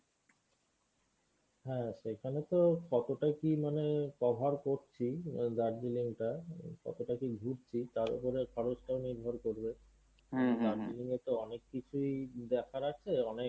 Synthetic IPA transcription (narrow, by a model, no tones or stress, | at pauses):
ɦɛ̃ʃekʰanet̪okɔt̪oʈakimanekɔbʱaɾkoɾt͡ɕʰid̪aɾdiliŋʈakɔ̰t̪oʈakiɡʱuɾt͡ɕʰit̪aɾṵpoɾekʰɔɾot͡ɕʈaoniɾbʱoɾkoɾbe | d̪aɾd͡ʑiliŋet̪oɔnekːit͡ɕʰuid̪ɛkʰaɾat͡ɕʰeɔnek